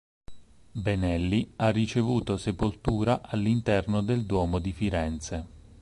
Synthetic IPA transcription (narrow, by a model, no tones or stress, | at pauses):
benɛlːiarːit͡ʃevuːt̪osepolt̪uːɾaʔalːint̪ɛrnod̪eld̪wɔːmod̪ifiɾɛnt̪se